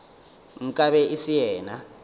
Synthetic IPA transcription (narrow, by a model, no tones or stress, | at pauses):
ŋ̩kʼaβɛʔisijɛːna